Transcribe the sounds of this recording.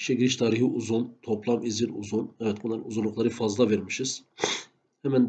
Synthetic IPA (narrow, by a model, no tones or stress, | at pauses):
ʃɛɡʲiɾiʃt̪ʰɑːɾiɦiʔuzunt̪ʰoplˠɑmiziɾuzunɛvɛt̪̚bunlˠɑɾɯnuzunlˠuqlˠɑɾɯfɑzlˠɑveɾmiʃɯz̥ | hɛmɛn